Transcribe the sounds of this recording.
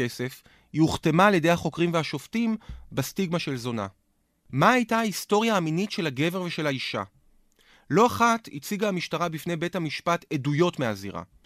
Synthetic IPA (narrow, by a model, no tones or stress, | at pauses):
e̞se̞f | jiuχte̞maːljede̞jhaχo̞kʁimveaʃo̞ftimbestiɡmaʃe̞lzo̞na̰ | maːjtaaisto̞ʁjaːminitʃe̞lhaɡe̞ve̞ʁveʃe̞laiʃa̰ | loaχatḭt͡siɡaːmiʃtaʁabifne̞jbe̞thamiʃpatedujo̞tmeazḭʁa̰